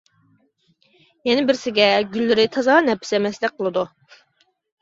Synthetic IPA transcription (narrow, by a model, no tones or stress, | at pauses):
jɛnɪbɪɾsɪɡʲɛɡʲylːɪɾɪt̪ʰɑzɑːnɛpʰːɪ̥sɛmɛslɪk̚ʲqʰəlˠɨd̪u